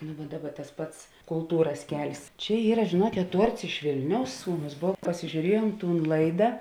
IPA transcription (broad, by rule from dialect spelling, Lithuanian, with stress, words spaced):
nʊ ʋɐ ˈdɑːˌbɐ tɐs ˈpɐts kʊlˠˈtuːrɐs ˈkʲɛlʲsʲ ˈt͡ʃʲɛ ˈiːrɐ ʒʲeːˈnuɔkʲeːt ˈtuɔrts ɪʃ ˈʋʲɪlʲnʲɛʊs ˈsuːˌnʊs ˈboːw pɐsʲɪʒʲuːˈrʲiɛjuɔm ˈtuːn ˈlˠɐɪdɐ